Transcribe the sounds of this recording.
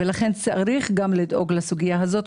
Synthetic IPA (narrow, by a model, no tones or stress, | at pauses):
velaχe̞nt͡saʔaɾiχɡamlid̪ʔo̞ɡlasuɡijaɦazo̞t̪